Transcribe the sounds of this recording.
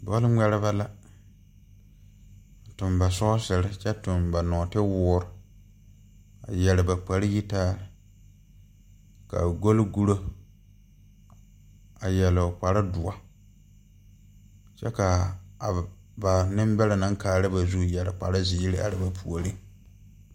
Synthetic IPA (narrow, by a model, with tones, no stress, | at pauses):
bɔ˦lɪ˦ŋ͡mɛ˦ɾɪ˦ba˦la˦˨ | tʊ˨mba˨sɔ˦sɪ˨ɾɪ˦t͡ʃɛ˦tʊ˨mba˨nɔː˨tɪ˦wʊː˦ɾʊ˨ | a̰˨jɛ˨lɪ˨ba˨k͡pa˨ɾɪ˦ji˦taː˦ɾɪ˨ | ka̰˨ɡo˦lɡu˦ɾo˦ | a˨jɛ˨lk͡pa˨ɾa˦dʊ˨a˨ | t͡ʃɛ̰˦ka˨ | ba˨nɪ˦m˦bɛ˦la˨na˦ŋkaː˨ɾɪ˦ba˨zu˦jɛ˨lɪ˨k͡pa̰˨ɾa˦ziː˨˦ɾɪ˦ʔa̰˨ɾɪ˨ba˨pʰu˨o˨ɾi˦